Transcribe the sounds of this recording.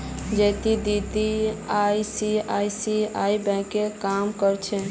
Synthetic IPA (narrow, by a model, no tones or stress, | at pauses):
d͡ʒet̪id̪it̪iajsiajsiaibɛ̃kekamkəɾt͡ʃʰɛ